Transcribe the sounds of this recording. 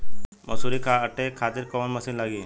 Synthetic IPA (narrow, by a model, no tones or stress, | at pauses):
mɐsuɾikʰaʈekʰaːt̪ɪɾkɐʋənmɐsinlɐɡiː